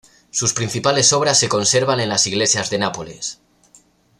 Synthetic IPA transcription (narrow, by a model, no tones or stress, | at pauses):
suspɾinθipale̞soβ̞ɾasːeko̞nseɾβanenlasiɣlesjazðenapoles